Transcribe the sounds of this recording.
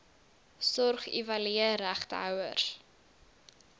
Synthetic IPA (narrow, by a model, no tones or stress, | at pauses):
sɔrχḭvɐliəɾæχtəɦœwər